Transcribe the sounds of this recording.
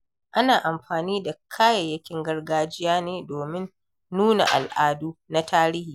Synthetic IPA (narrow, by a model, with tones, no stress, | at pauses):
ʔa˦naː˨ʔa˨mɸaː˨niː˦da˨kʰaː˦jɐ˨jːɐ˦kʲɪ˦ŋɡɐ˦rɡaː˦d͡ʒɪ˦jaː˦neː˦doː˨mɪ˦nː | uː˦na̰˨ʔa̰˨lʔaː˦duː˦na˦taː˦ɾi˦hiː˨